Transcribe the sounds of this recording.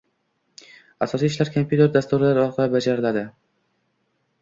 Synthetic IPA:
asɒsiːɪʃlaɾkʰompʰjut̪e̞ɾd̪ast̪uɾɪlaɾɒɾqʰɑlabad͡ʒaɾɪlad̪ɪ

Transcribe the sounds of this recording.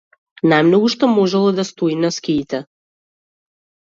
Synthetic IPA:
najmnɔɡuʃt̪ɔmɔʒɛlˠɔd̪ast̪oinaskʲiːt̪ɛ

